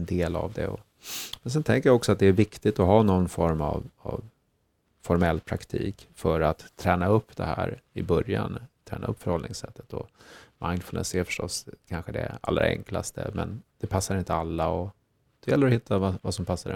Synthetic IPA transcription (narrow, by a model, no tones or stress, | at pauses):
nd̪eːla̰vd̪ɛ̰ɔ | mɛns̬ɛnt̪ʰɛŋkəɾjaɔksɔat̪̚d̪ɛːɾvɪkt̪ɪɡt̪ɔɦɑːnɔnːfɔɾmavɑv | fɔɾmɛlːpʰɾakt̪ʰḭːkfœɾat̪ʰːɾɛːnaɵpːd̪ɛhæ̰ːɾɪbœɾjant̪ʰɾɛ̰ːnaɵpːfœɾhɔlnɪŋsɛt̪ːə̥t̪ɔmaɪnfʉlɛ̰sæɾfœ̥ʂʈɔsːkʰanɧəd̪ɛ̰a̰lːɾa̰ɾɛ̰ŋklast̪ʰə̰mɛnd̪̥ɛpʰasːaɾɪnt̪əalːaɔ | d̪̥ɵjɛlːəɾɔhɪt̪ʰːavavasɔmpʰasːaɾ